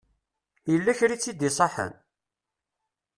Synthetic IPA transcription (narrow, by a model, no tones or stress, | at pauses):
jəlːæçɾit͡sːid̪isˤɑħə̰n